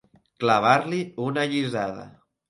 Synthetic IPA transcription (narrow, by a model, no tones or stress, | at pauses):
klaβ̞aɾliunaʎizaðə̰